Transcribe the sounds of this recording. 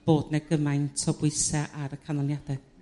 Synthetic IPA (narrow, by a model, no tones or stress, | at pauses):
b̥oːdnɛɡəmajntʰɔbwɪsɛʔaɾəkʰanɔnjadɛ